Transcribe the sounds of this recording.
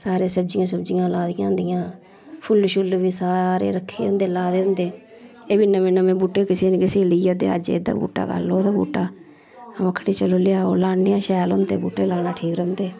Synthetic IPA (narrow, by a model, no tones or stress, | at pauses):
saːɾeːsəb̚d͡ʒɪjãːsəbd͡ʒɪjãːlaːd̪ɪjãːʊ̃nd̪ɪjãː | pʰʊlʃʊlʋiːsaːɾḛːɾəkʰːeːʊ̃nd̪eːlaːd̪eːʊ̃nd̪eː | eːbiːnəmẽːnəmẽːbuːʈːeːkɪseːneːkɪseːləiːjaːd̪ḛːə̰d͡ʒḛd̪a̰ːbṵːʈːa̰ːɡə̰loːd̪aːbṵːʈːaː | məkʰːɽiːt͡ʃəloːlɪjaːo̰ːlaːnejãːʃɛːlɦond̪eːbuːʈeːlaːnaːʈʰiːkɾə̃nd̪eː